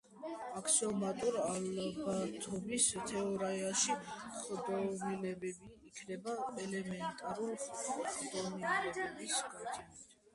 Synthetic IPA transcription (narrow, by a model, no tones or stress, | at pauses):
akʰsiɔmat̪ʼuɾalbat̪ʰɔmist̪ʰɛɔɾaɛaʃiχd̪ɔnɛlɛbɛbiːkʰnɛbaɛlɛmɛnt̪ʼaɾulχd̪ɔniɛbisɡat͡ʃ̪ʰɛ